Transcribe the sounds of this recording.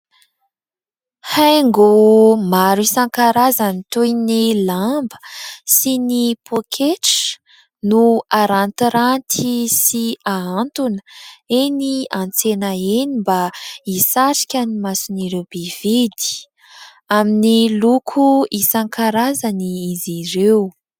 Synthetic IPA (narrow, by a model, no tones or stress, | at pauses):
hajŋɡumaɾisaŋkaɾazanit̪ujnilambə̥sinipʰokʰeʈ͡ʂə̥ | nuaɾant̪iɾant̪ʰisiaant̪unəeniant͡senaenimbaisaʈ͡ʂi̥kʲanimasuniɾewb̥ev̥id̪i̥ | aminilukʰuisaŋkʰaɾazaniizirew